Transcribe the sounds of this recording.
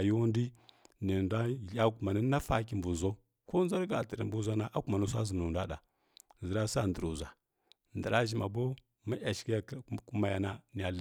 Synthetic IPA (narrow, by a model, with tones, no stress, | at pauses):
ju˦ndi˦ni˨ndʷa˦˨˦a˦ku˨ma˨na˦na˦fa˦ki˨mbu˨zo˦ | ko˦n˦za˦ɾɡa˨tə˨ɾḭ˨mbu˦za˦na˦ʔa˦ku˦ma˨nu˦s̬a˦zi˨m˨nu˨ndʷa˦da̰˨ | zə˨ɾa˦sa˦ndə˨ɾu˨za˨ | n˨də˨ɾa˦ʒi˨ma˨bo˦ | ma˦a˨ʃki˦ja˦ku˦ma˦ja˨na˦ni˨a˨l